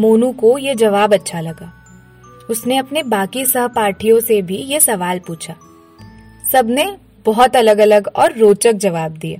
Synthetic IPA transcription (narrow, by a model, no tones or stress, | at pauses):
moːnũkojed͡ʒɐʋaːbɐtːʃʰalɐɡaː | ʊsneɐpnebaːkisɐɦpaːɾʈʰijõsebʱijesɐʋaːlpuːt͡ʃʰaː | sɐbʱne | b̥ɔɦɔt̪ɐləɡɐləɡɔːɾːoːt͡ʃək̚d͡ʒɐʋaːb̚d̪iḛː